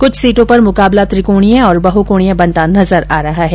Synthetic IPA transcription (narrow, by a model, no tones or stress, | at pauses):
kʊt͡ʃʰsiːʈõpɐɾmʊkaːblat̪ɾɪkoːɽ̃ijãɔːɾbɐɦukoːɽijãbɐ̃nt̪anɐzəɾaːɾɐɦaɦɛː